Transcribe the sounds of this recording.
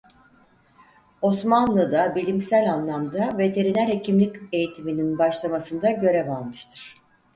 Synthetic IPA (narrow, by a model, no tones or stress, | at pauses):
o̞smanlˠɯd̪abilʲimsælʲanlˠamd̪ave̞t̪ʰe̞ɾinæɾhe̞cʰimlʲice̞jit̪ʰimininbaʃlˠamasɯnd̪aɟø̞ɾɛvalˠmɯʃt̪ʰɯɾ̥